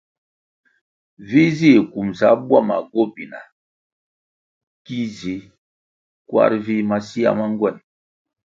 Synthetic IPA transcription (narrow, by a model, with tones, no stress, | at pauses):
vi˦zi˦˨ku˨msa˨˦bwa˦˨ma̰˨ɡo˦bi˨na̰˨ | ki˦zi˨˦ | kwa̰˦ɾvi˦ma˦si˦a̰˦ma˦ŋ˦ɡwɛ˦˨n